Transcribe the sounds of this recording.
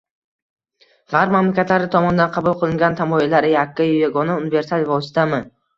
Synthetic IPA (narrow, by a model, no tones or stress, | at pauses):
ʁaɾpmamlakʲat̪laɾɪt̪ʰɒmɒnd̪anqʰɑbulˠqʰɨlˠɪŋɡʲant̪ʰamɒilːaɾɪjakːajjaɡɒnaʊnɪve̞ɾsalvɒsɪ̥t̪ʰamɪ